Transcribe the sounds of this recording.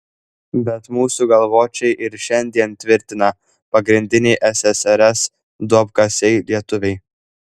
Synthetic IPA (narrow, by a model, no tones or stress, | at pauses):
bʲɛt̪muːsuɡɐlˠʋoːt͡ʃʲɛɪʔɪɾʃʲɛnʲd̪ʲiɛnt̪ʲʋʲɪɾʲt̪ʲɪnɐ | pɐɡɾʲɪnʲd̪ʲɪnʲɛɪʔɛsʲɛsɛɾʲɛs | d̪uɔpkɐsʲɛɪlʲiɛt̪ʊʋʲɛɪ